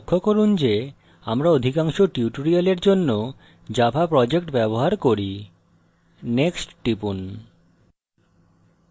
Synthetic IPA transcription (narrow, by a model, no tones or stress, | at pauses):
kʰːokoɾund͡ʑe | amɾaod̪ʱikaŋʃoʈiuʈoɾialeɾd͡ʑonːo | d͡ʑabʱapɾɔd͡ʑekʈbɛboɦaɾkoɾi | neksʈʈːipun